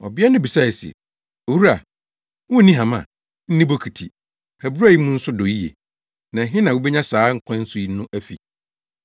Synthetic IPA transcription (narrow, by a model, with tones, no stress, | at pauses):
ɔ˨ba˦nʊ̃˦bi˨sa˦˨ɛ˨sḛ˨ | o˨wu˦a˨ | wʊ̃˦nĩ˦ɦã˨mã̰˨ | n̩˦nĩ˦bo˦kʰi˨tʰi˨ | hæ˨bɾa˦ji˦mʊ̃˦n̩˦sʊ˦dɔ˨i˦jḛ˨ | nã˨ɦɪ̃˦nã˨wo˦bɛ˦ɲã˦saː˨˦ŋ̩˦kʷʰã˦n̩˦sʊ˦i˨˦nʊ̃˦ʔæ˦fḭ˨